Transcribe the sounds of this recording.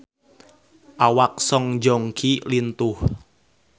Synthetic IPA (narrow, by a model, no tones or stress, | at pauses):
ʔawak̚sɔŋd͡ʒɔŋkʰilint̪ʊh